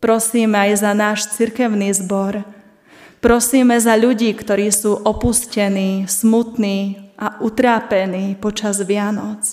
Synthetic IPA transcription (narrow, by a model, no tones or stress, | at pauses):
pɾɔsiːmɛajzanaːʃt͡siɾkɛʊniːzbɔɾ | pɾɔsiːmɛzaʎuɟiːkt̪ɔɾiːsuːʔɔpuscɛniːsmut̪niːʔaʔut̪ɾaːpɛniːpɔt͡ʃazʋɪanɔt͡s